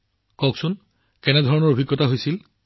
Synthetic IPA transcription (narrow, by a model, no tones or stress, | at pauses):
kɔksʊn | kɛnɛdʱɔɹɔnɔɹobʱiɡːɔtaɦojsil